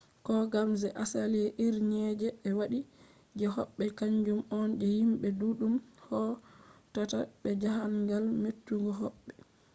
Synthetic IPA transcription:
kɔɡamzɛʔasaliɛʔiɾɲɛd͡ʒɛːwaɗi | d͡ʒɛɦɔ̰ɓːɛkaɲd͡ʒumɔnd͡ʒɛhimɓɛduɗumhɔtataɓɛd͡ʒaɦaŋɡalmetːuŋɡɔɦɔɓːɛ

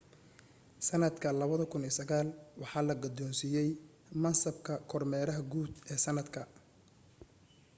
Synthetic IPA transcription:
sɐnɐd̪kʰɐlɐβɐðɔkʰʊniːsɐɣaːlwɑħɑːlɐɡɔd̪ɔːnsijɛj | mɐnsɐbkʰɐkʰɔrmɛːɾɐɦɐɡuːd̪ɛːsɐnɐd̪kʰɐ

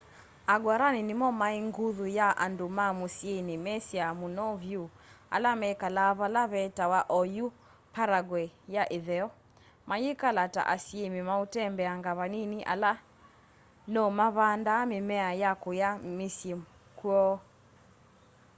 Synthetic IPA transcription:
aɡwaɾaninimɔmaiŋɡuðujaʔa̰ndomamusjenimɛsiamunɔvju | a̰lamɛkalaβalaβɛtawaʔɔju | paɾaɡwɛjaʔeðɛɔ | majekalata̰ʔasiemimautɛmbɛaŋɡaβaniniʔa̰la | nɔmaβandamɪmɛajakojamisjem | kwɔ

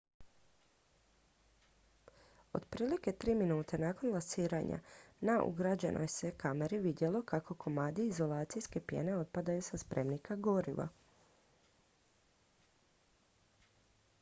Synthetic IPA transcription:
o̞̰d̪pɾiːlike̞t̪ɾiːminuːt̪e̞naːko̞nlasiːɾaɲa̰naʔṵɡɾad͡ʑe̞̰nʔo̰jse̞kame̞ɾiʋid̪je̞lo̞kako̞kʰo̞maːd̪iːzo̞lˠaːt̪sijske̞pje̞̰ne̞o̞t̪̚pad̪ajusaspɾe̞mnikaɡo̞ɾiʋa̰

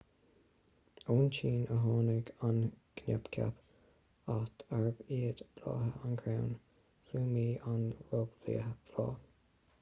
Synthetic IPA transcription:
oːnt͡ʃiːnəɦɑːnəɡankʰnʲɛpkʲʰa̰p | at̪aɹbiːəd̪b̥lɑ̰ːɦəʔankʰɾawn | fuːmiːʔanɹoɡvlḭːəb̥lɑː

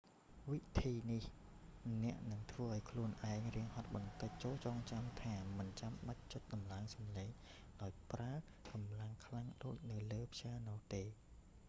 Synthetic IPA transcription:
ʋit̪ʰiːnih | nɛ̆əʔnɨŋt̪ʰʋəːʔaɔjkʰluənʔaɛŋriəŋhɑt̪̚ɓɑnt̪ɨc̚t͡ɕoːlt͡ɕɑːŋt͡ɕamt̪ʰaːmɨnt͡ɕamɓac̚t͡ɕʊt̪̚ɗɑmlaŋsɑmleːŋ | ɗaɔjpraə | kɑmlaŋkʰlaŋɗoːc̚nɨwləːpʰɕaːnɔht̪eː

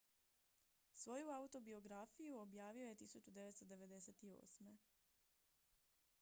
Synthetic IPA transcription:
sʋo̞juaut̪o̞bio̞ɡɾafijuobjaːʋio̞je̞t̪isut͡ɕud̪eʋe̞t̪st̪od̪e̞ʋe̞d̪e̞set̪io̞̰ːsme̞

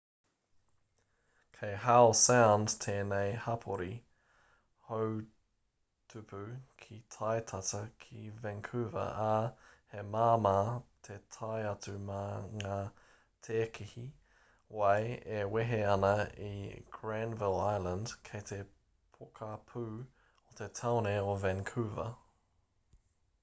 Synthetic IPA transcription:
kʰejɦaʊsãʊndt̪ʰeːneɪhɐpʰoɾi | how | tʰʉpʰʉkʰitʰajtʰatɐkʰivɛ̃ŋkʰʉvɐ̰ʔahemaːmaːtʰet̪ʰajɐtʉmɐŋaː | t̪ʰeːkʰihi | wajeweɦeɐnɐḭɡ̥ɹænvɪlajlənd̥kʰejt̪ʰe | pʰokʰapʰʉː | ot̪ʰet̪ʰawneovɛŋkʰʉːvɐ̰

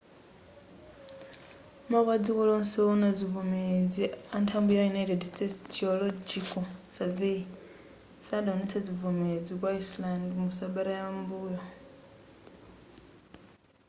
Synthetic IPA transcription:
makwad͡zikɔlɔnsɛɔnad͡zivumed͡ziantʰambujajunaitɛdstɛstiɔlɔd͡ʒikɔsavei | sadaɔnɛt͡sʰad͡zivumed͡zikwaislandimusaɓaɾajambuːja

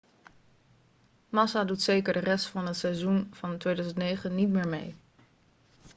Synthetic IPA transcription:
mɑsadutsejkəɹdərɛstfɑnɦətsɛjzunv̥ɑntʋejdœzəntnejχənːitmɪːɹmḛj

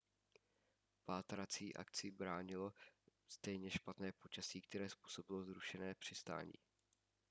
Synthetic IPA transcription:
paːt̪ɾat͡siːʔa̰kt͡sɪbɾaːɲɪlo̞st̪ɛjɲɛʃpat̪nɛːpo̞t͡ʃasiːk̚t̪ɛɾɛːspuːso̞bɪlo̞zɾuʃɛnɛːpr̝̥ɪst̪a̰ːɲḭː

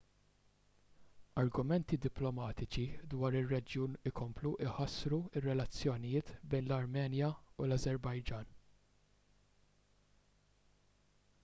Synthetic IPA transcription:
ɐɾɡʊmɛnt̪id̪ɪplɔmɐːt̪ɪt͡ʃid̪wɐːɾɪrːɛd͡ʒjuːnɪkʰɔmpluʔɪħɐsɾuɪrːɛlɐt͡sːjɔnɪjɪːt̪bɛjnlɐɾmɛːnjɐulɐzɛɾbɐjd͡ʒɐːn

